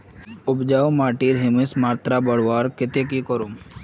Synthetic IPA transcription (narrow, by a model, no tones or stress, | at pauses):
ʊbd͡ʒaːwmaːʈiːɾɦɪmesmaːɾt̪ɾabɐɽwaːɾkɪt̪ekikɔɾum